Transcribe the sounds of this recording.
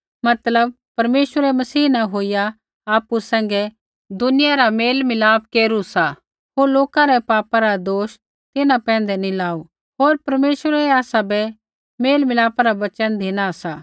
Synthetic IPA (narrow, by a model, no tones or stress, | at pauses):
mɐt̪ləb̚ | pɐɾmeːʃəɾɛmɐsiːnaɦoːɪja | aːpusɛ̃ːŋ̆ɡɛ | d̪ʊnɪjaɾameːlmɪlaːp̚keːɾusa | ɦoːɾloːkãɾɛpaːpaɾad̪oːʃ | t̪ɪnãpɛ̃ːn̆d̪ɛnilaːu | ɦoːɾpɐɾmeːʃəɾɛaːsabɛ | meːlmɪlaːpaɾaʋɐt͡ʃənd̪ʱɪnasaː